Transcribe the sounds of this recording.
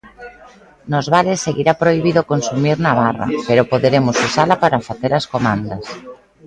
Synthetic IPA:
nozβaɾesːeɣiɾapɾoiβ̞iðokonsumiɾnaβ̞ara̰peɾopoðeɾemosusalapaɾafaθeɾaskomãnd̪as

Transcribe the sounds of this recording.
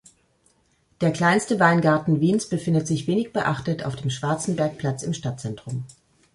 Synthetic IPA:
d̥eːɐkl̥aɪnstəvaɪnɡaɐtn̩viːnsb̥əfɪndətz̥ɪçv̥eːnɪçb̥əʔaχtəta̰ʊfd̥eːmʃv̥aɐt͡sn̩bɛɐk̚pʰl̥at͡sɪmʃtat̚t͡sɛntʁ̥ʊm

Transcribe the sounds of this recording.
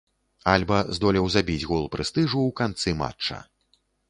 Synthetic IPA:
alʲbɐzd̪ɔlʲɛwzabʲid͡zʲɣulˠpɾɨst̪ɨʐuwkant̪sɨma̰t͡ʂːɐ̰

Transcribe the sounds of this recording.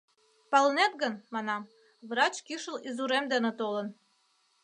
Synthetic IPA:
pɑlnet̪̚ɡə̆nmɑnɑm | βrɑt͡ɕkiʃə̆lizuɾemd̪enĕt̪olə̆n

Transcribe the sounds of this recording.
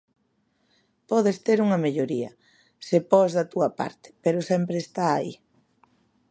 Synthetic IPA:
pɔðest̪eɾuŋɐmeʎoɾiɐ̰ | sepɔzðɐt̪uɐpa̰ɾt̪ɪ̥peɾosɛmpɾeːst̪aːḭ

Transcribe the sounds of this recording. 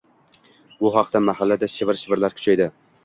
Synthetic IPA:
bʊɦɑqd̪amaɦalːad̪aʃɪvɪɾʃɪvɪɾlaɾkʲʰʊ̥t͡ʃʰajd̪ɪ

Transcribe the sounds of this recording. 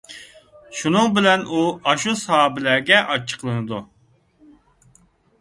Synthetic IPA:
ʃunɨŋbɪlɛnuɑʃusɑhɑːbɪlæɡʲɛʔɑt͡ʃʰːə̥qʰlˠɨnɨd̪u

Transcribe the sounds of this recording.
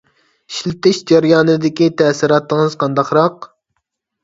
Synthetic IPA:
ʃilt̪ɪʃd͡ʒæɾjɑːnɨd̪ɪkʲit̪ʰɛsiɾɑːt̪ːəŋɨzqʰɑnd̪ɑqɾɑq

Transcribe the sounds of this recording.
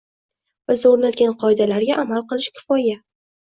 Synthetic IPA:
bɪzoɾnat̪̚ɡʲanqʰɒɪd̪alaɾɡʲaʔamalˠqɨlˠɪʃkʲʰɪ̥fɒja

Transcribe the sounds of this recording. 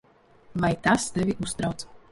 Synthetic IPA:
vajt̪ast̪evʲiʔust̪ɾawt̪s

